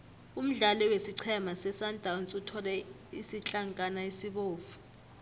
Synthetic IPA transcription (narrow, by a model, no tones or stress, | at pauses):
um̩ɮalɔwesiǀʰɛmasɛsandʼʱawnt͡sʼutʰɔlɛ | isit͡ɬʼaŋkʼanaisiɓoːfu̥